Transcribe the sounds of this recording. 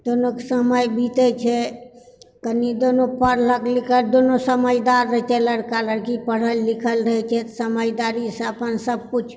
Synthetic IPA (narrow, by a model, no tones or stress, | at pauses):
d̪̥onokesəməjbit̪ət͡ʃʰɛ | kənid̪onopəɾləklikʰəld̪onosəməjd̪aɾːəɦt͡ʃɛləɾkaləɾkipəɽ̤əlːikʰəlɾəɦɛt͡ʃʰɛt̪səməjd̪aɾisə̃əpənsəb̚kut͡ʃʰ